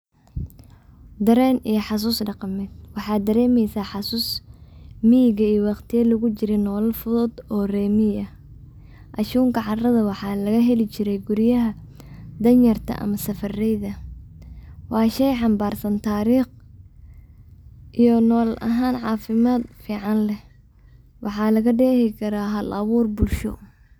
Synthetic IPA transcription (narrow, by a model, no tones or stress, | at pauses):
d̪ɐɾɛːnijɞħɑs̬uːsɖɑqɑmɛd̪̚wɑħɑːd̪ɐɾɛːmɛjsaħɑsuːs | mijɪɣɐijɔwɑqt̪ʰɪjɐlʊɣʊt͡ʃɪɾɛnɔːlɐlfʊðɔd̪ɔːrɛːmɪjɐ | ʔɐʃuːŋkʰɐʕɑrɐðɐwɑħɑːlɐɣɐɦɛlɪt͡ʃɪɾɛjɡʊɾjɐɦɐ | d̪ɐnjɐrt̪ʰɐ̰ʔɐ̰mɐsɐfɐrɛjðɐ | wɑːʃɛjħɑmbaːrsɐnt̪ʰaːɾiːχ | ʔijɔnɔːlʔɐ̰ɦaːnʕɑːfɪmaːd̪fiːʕɑnlɛ | wɑħɑːlɐɣɐɖɛːhɪkʰɐɾaːɦɐlʔɐβuːrbʊlʃɔ̰